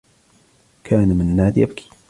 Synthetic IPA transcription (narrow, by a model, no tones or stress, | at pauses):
kʰaːnmɪnnːaːd̪jabki̥